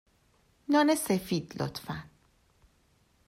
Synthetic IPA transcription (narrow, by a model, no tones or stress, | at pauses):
nɒːnesefiːd̪̥lo̰t̪ʰfæn